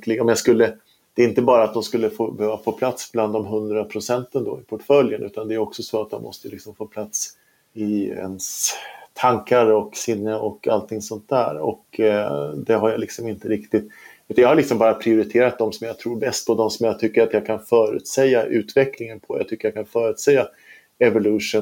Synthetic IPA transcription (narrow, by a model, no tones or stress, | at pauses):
klɪɡɔmjaskɵlːə | d̪̥ɛːɪnt̪əbɑːɾat̪̚d̪ɔmskɵlːəfoːbɛhøːvafoːpʰlat̪sbland̪ːɔmɦɵnd̪ɾapʰɾʊsɛnt̪ənd̪ɔ̰ɪpʰʊʈfœljənʔʉ̟ːt̪and̪ɛːɾɔksɔsoːat̪̚d̪ɔ̰mɔ̰st̪əlɪksɔmfoːpʰlat̪s | ɪɛ̰nst̪ʰaŋkaɾɔksɪnːəɔkalt̪ʰɪŋsɔnt̪̚d̪æ̰ːɾɔ̰k | d̪ɛɦaɾjalɪksɔmɪnt̪əɾɪkt̪ɪt̪ː | ʉt̪anjahalɪksɔmbɑːɾapʰɾɪʊɾɪt̪ʰeːɾat̪̚d̪ɔmsɔmjat̪ʰɾuːɾbɛst̪̚pʰɔd̪ɔmsɔmjat̪ʰʏkːəɾat̪jaɡkʰanfœːɾʉ̰ːt̪sɛjːaʔʉ̟ːt̪vɛkʰlɪŋənpʰɔja̰ɡt̪ʏkːəɾjaːkʰanfœːɾʉt̪sɛjːa | ɛvʊlʉʂʊ